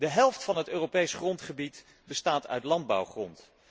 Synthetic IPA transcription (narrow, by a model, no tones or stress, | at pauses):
dəɦɛlˠftfɑnɦətøːropejsχrɔntχəbit | bəstaːtœ̰ɥtlɑnd̚bɑ̰wχrɔnt